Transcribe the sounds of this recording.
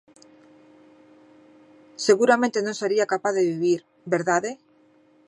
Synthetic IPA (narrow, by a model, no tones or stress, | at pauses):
seɣuɾamẽnt̪enõŋseɾiakapaθðeβiβiɾ | beɾðaðe